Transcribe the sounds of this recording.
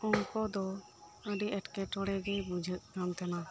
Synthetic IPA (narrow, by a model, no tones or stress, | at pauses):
ɔŋkɔd̪ɔ | əɖiʔɛʈkɛʈɔɽɛɡɛbud͡ʒʱət̪̚ˀɡant̪ana